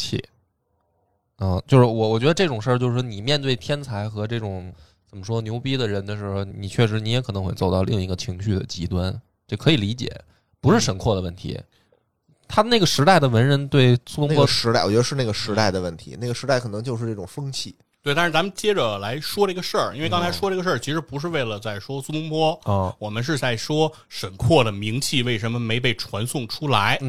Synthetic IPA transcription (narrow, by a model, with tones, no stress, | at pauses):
t͡ɕʰḭ˥˩ | ə˥˧˩t͡ɕjo˥˧ʊʂɻ̩˥˩wɔ˨˧˩wɔ˨˩t͡ɕɥɛ˧˥d̪ə˧ʈ͡ʂɤ˥˩ʈ͡ʂʊ˨˩ŋʂə˥˩˧t͡ɕjo˥˧ʊʂɻ̩˥˩ni˨˩mjɛ˥˧nt̪̬we˥˩ɪt̪ʰjɛ˥nt͡sʰa˧˥ɪxɤ˧˥ʈ͡ʂɤ˥˩ʈ͡ʂʊ˨˩˦ŋ | t͡sə˨˩mə˦ʂwɔ˥njo˧˥ʊpi˥d̪ə˨ɻə˧˥nd̪ə˨˧ʂɻ̩˧˥xo˧˩ʊni˨˩t͡ɕʰɥɛ˥˩ʂɻ̩˧˥ni˧˥jɛ˧˥kʰɤ˨˩n˧˥xwe˥˧˩t͡so˨˩ʊt̪ɑ˥˧ʊli˥˩ŋi˧˥ɡə˧t͡ɕʰi˧˥ŋɕy˥˩d̪ə̰˩t͡ɕi˧˥t̪wa˥n | ʈ͡ʂkʰɤ˧˥i˨˩li˧˥t͡ɕjɛ̰˨˩˦ | pu˧˥ʂɻ̩˥˩ʂə˧˥nkʰwɔ˥˩d̪ə˩wə˥˩nt̪ʰḭ˧˥ | t̪ʰa˥d̪ə˧ne˥˩ɡə˩ʂɻ̩˧˥t̪a˥˩ɪd̪ə˩wə˧˥nɻə˧˥nt̪we˥˩ɪsu˥p̪ʊ˥npʰwɔ˥ʂɻ̩˧˥a˥˩ɪwɔ˨˩t͡ɕɥɛ˧˥də˧ʂɻ̩˥˧na˥˩ɡə˩ʂɻ̩˧˥t̪a˥˩ɪd̪ə˩wə˥˩nt̪ʰḭ˧˥n˥˩ɡə˩ʂɻ̩˧˥a˥ɪkʰɤ˨˩nɤ˧˥ŋt͡ɕjʊʂɻ̩˥˧ʈ͡ʂɤ˥˩ʈ͡ʂʊ˨˩ŋfɤ˥ŋt͡ɕʰi˥˩ | t̪we˥˧a˥˧ɻ̩˥˧˩t͡sa˧˥mə˧nt͡ɕjɛ˥ʈ͡ʂə˨la˧˥ɪʂwɔ˥ɾə˥˧˥ɡə˧ʂə˞˥˩i˥nwe˥˧ɪkɑ˥ŋt͡sʰɪʂwɔ˥ʈ͡ʂɡə˧ʂ̬ə˥˩t͡ɕʰi˧˥ʂɻ̩˧˥pu˧˥ʂ̬ɻ̩˥˧we˥˩ɪlə˩t͡sa˥˩ɪʂwɔ˥su˥tʊ˥ŋpʰwɔ˥˧˩wɔ˨˩mə˦nʂ̬ɻ̩˥˧t͡sa˥˩ɪʂwɔ˥ | ʂə˨˩nkʰwɔ˥˩d̪ə˩mi˧˥ŋt͡ɕʰi˥˧we˥˩ɪʂə˧˥nmə˧me˧˥ɪp̬e˥˩ɪʈ͡ʂʰwa˧˥nsʊ˥˩ŋʈ͡ʂʰu˥la˧˥ɪ